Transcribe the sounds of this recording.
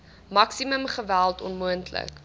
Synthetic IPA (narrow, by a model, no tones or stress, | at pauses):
mɐksiməmχəvælˠtɔnmuəntlə̰k